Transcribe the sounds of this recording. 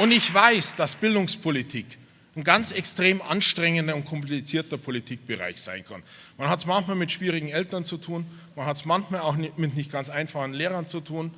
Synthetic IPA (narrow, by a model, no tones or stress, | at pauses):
ʔʊndɪçv̥aɪsd̥asb̥ɪldʊŋspʰolitʰiːk | nɡant͡sɛkstʁ̥eːmʔa̰nʃtʁ̥ɛŋəndɐʊnt̚kʰɔmplit͡siːɐtɐpʰolitʰiːk̚b̥əʁa̰ɪçz̥a̰ɪnkʰa̰n | manɦatsmançmaːlmɪtʃv̥iːʁɪɡŋ̩ɛltɐnt͡sutʰuːn | manhatsmançmaːlaʊxnmɪtnɪçt̚ɡ̥ant͡saɪnfaχn̩leːʁɐnt͡sutʰuːn